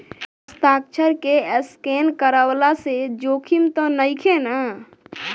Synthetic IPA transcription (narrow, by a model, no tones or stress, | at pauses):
st̪ak̚t͡ʃʰəɾkeəskenkəɾəwlased͡ʒokʰimt̪ɔnəjkʰenə